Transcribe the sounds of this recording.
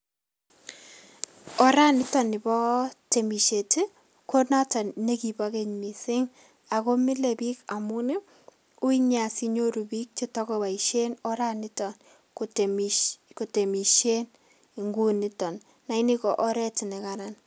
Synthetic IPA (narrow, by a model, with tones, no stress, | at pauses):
ɔ˦ɾa˦nɪ˦tɔ˨nɪ˨bɔ˦te˨mi˨ʃe˨te˦ | kʰo˦na˦tɔ˨nne˦ki˨bake˦ɲmi˨sɪ˦ŋ | a˨ko˦mɪ˦le˨pi˦ka˨mu˦nɪ˦ | u˦i˦ɲa˨si˦ɲo˦ɾu˨bi˦k̚t͡ʃi˦tɔ˦ko˦ba˨iʃe˦nɔ˦ɾa˦nɪ˦tɔ˨n | kt | ko˨te˨mi˨ʃe˦n | i˨ŋɡu˦nɪ˦tɔ˨nː | a˨i˦ni˦kɔ˨ʔɔ˦ɾɛ˦ti˨ne˨kaɾa˨n